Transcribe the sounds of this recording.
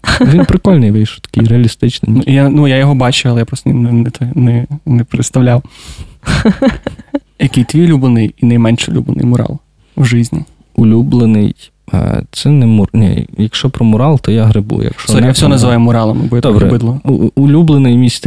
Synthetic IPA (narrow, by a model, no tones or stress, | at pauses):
ʋʲinpɾɪkɔlʲnɪjʋɪjʃʊt̪ɐ̥kɪjɾeɐlʲist̪ɪt͡ʃnɪ̰jjanujajɔɦɔbɑt͡ʃʊjɐlˠɛjapɾɔst̪nnɛnɛt̪nɛnɛpɾɪt̪st̪ɐʋlʲaw | jɐkɪjt̪ʋʲijlʲublˠenɪjinɐjmɛnʃʊlʲṵblˠḛnɪ̰jmʊɾɑ̰lˠ | wʒɪzʲnʲḭ | ʊlʲublˠenɪ̰j̰ | t̪sɛnɛmʊnʲɛ̰jɐkʃt͡ʃɔpɾɔmʊɾɑlˠt̪ɔjaɦɾɪbṵjɐ̰kʃɔsɔjafsʲɔnɐzʋɑjʊmʊɾɑlˠɐmɪbɔjd̪ɔbɾɛbɪdlˠɔulʲublˠenɪjmʲisʲ